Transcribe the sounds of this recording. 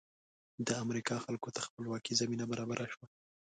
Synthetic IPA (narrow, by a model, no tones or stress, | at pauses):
d̪əamɾikɑxalkot̪axpəlwɑkizaminabaɾɑbaɾʔaʃwa